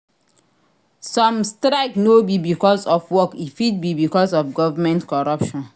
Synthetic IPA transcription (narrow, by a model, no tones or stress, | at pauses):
sɔ̃mstɾaɪknobibikɔsɔfwɔkifid̚bibikɔsɔfɡɔvamɛ̃ntkɔɹɔpʃɔ̃n